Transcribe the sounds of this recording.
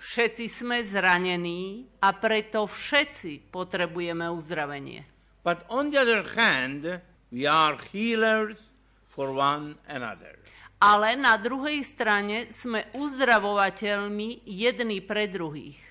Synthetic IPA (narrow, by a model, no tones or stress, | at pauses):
fʃɛt͡sismɛzɾaɲɛniːapɾɛt̪ɔfʃɛt͡sipɔt̪ɾɛbujɛmɛuzd̪ɾaʋɛɲɪɛ̰ | b̥atɔ̃nd̪iaðəɹhæ̃nd | wiaɹhiːləɹz | fɔɹwãnɛna̰ðə̰ɹ | alɛnad̪ɾuɦɛjst̪ɾaɲɛsmɛuzd̪ɾaʋɔʋacɛʎmijɛd̪nipɾɛd̪ɾuɦḭːx